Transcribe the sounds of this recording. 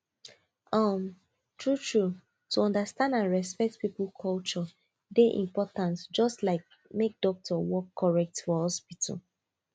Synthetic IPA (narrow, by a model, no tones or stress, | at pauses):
ɔm | tʰɹutʰɹu | tuɔ̃ndəstãndãnɹɛspɛk̚tpiplkʰɔlt͡ʃɔ | deʔḭ̃mpɔtãnsd͡ʒɔstlaɪk̚ | mek̚d̥ɔk̚tʰɔwɔkʰːɔɹɛk̚tfɔhɔspitʰɔ̰l